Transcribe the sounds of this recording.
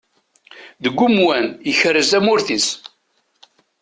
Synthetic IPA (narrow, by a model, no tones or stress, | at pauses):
ðəɡʷːumwænjəçəɾəzæmʊɾθis